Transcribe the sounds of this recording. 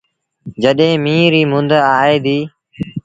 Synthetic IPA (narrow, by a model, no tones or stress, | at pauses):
d͡ʒəɗɦẽːmĩːɾiːmʊ̃nd̪əaːeːd̪iː